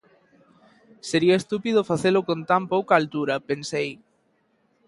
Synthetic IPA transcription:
seɾiɐest̪upið̞ʊfaθelʊkont̪ampowkaːlt̪uɾɐpensej

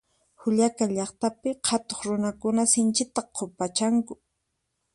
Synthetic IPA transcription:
hʊʎakaʎɑχt̪apɪqhʰat̪oχɾʊnakʊnasɪnt͡ʃɪt̪aqʰːopat͡ʃaŋkʊ̥

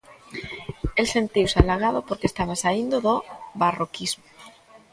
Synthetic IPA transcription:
else̞nt̪iwsalaɣ̞að̞opoɾkest̪aβ̞asaind̪oðoβarokizmo

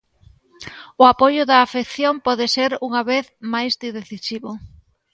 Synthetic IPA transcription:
ʊapojʊðɐːfekθjompɔðɪseɾuŋaβeθmajzd̪iðeθisiβʊ

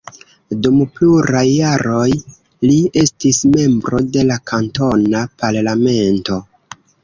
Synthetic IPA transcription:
dumpluɾajːaɾo̞j | lie̞stisme̞mbɾo̞de̞lakʰanto̞napaɾlame̞nto̞

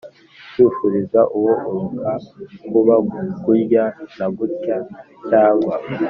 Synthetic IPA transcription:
t͡ʃufuɾizaʔuwoʔuɾukʰakuβaɡuɾɟanaɡutca | t͡ʃaːŋɡwa

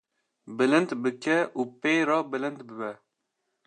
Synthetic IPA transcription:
bɨlɨnt̪bɨkʰɛʔuːpejɾɑːbɨlɨnt̪bɨbɛ

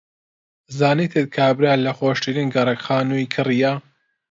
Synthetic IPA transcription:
zaːnit̪ʰet̪̚kʰabɾaːlɐxoːʃtiɾinɡɐɾɐkxaːnuikʰɨrija

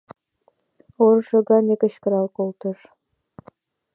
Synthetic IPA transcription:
orʒɤ̆ɣɑnʲekə̆ɕkə̆ɾɑlkolt̪ə̆ʃ

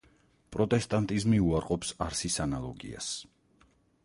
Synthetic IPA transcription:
pʼɾɔt̪ʼɛst̪ʼant̪ʼizmiuaɾqʼɔpsaɾsisanalˠɔɡḭa̰s

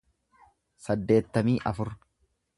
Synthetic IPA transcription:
sɐd̪ːe̞ːt̪ːɐmiːʔɐ̰fʊɾ

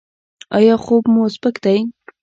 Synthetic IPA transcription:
ɑjɑχobmosbəkd̪aj

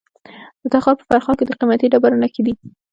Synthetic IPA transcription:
d̪̥ət̪ɑxɑɾpə̥faɾxɑked̪əqimat̪iɖabaɾənaked̪i

